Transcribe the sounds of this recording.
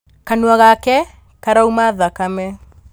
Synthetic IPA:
kanuaɣakɛ | kaɾaumaðakamɛ

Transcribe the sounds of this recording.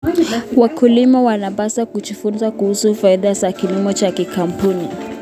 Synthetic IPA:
wakulimawanaɓasakut͡ʃufunzakuhusufaiðazakilimɔt͡ʃakikam̩puni

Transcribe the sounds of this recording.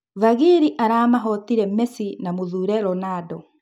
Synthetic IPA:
vaɣiɾiʔaɾaːmaɦɔtiɾɛmɛsinamoðuɾɛɾɔnaːdɔ

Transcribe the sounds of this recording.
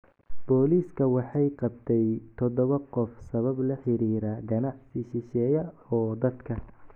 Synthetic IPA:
b̥ɔːliːskʰɐwɑħɑjqɑbt̪ʰɛjt̪ʰɔd̪ɔβɐqɔfsɐβɐblɐħɪɾiːɾaɡɐnɑħsɪʃɪʃɛːjɐɔːd̪ɐd̪kʰɐ

